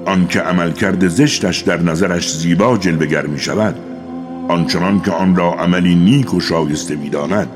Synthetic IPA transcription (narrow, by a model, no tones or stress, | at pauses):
ʔɒnkʰe̞ʔæmælkʰæɾd̪e̞ze̞ʃt̪æʃd̪æɾnæzæɾæʃziːbɒːd͡ʒe̞lve̞ɡæɾmiːʃævæd̪ | ɒnt͡ʃʰenɒnkʰeɒnɾɒːʔæmæliːniːkʰoʃɒːje̞st̪emiːd̪ɒːnæd̪̥̚